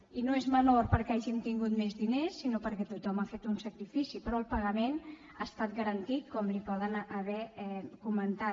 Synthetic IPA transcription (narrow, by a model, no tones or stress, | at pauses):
inoezmənoɾpəɾkeaʒimt̪iŋɡut̪mezðinesːinopəɾkɛt̪ut̪ɔmafet̪unsəkɾifisipɾɔəlˠpəɣəmen | aːst̪at̪̚ɡəɾənt̪it̪̚kɔmlipɔðənəβɛɛkumənt̪a